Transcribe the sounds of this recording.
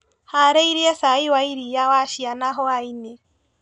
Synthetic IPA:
haɾɛiɾiɛsaiwaiɾijawaʃianaɦɔaine

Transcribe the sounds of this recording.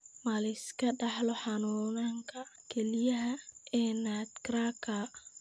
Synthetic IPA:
mɐlɪskʰɐɖɑħlɔħɑnuːnaŋkʰɐkʰɛlɪjɐɦɐɛːnat̪kraːkʰɐ

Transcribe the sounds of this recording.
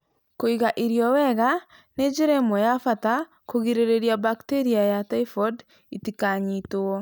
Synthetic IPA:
koiɣaʔiɾjɔwɛɣa | ned͡ʒeɾemojafata | koɣiɾeɾeɾiabakteɾiajataifɔd | itikaɲitoɔ

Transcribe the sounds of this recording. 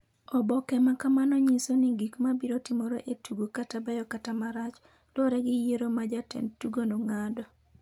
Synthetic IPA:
ɔbɔkɛmakamanɔɲisoniɡikmabiɾotɪmoɾoʔetuɡokatabajɔkatamaɾat͡ʃ | loɾɛɡɪjeɾomad͡ʒatɛ̰ntuɡonoŋadɔ

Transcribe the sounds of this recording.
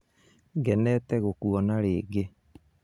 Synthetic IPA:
ɡɛnɛtɛɣokuɔnaɾeːɡe

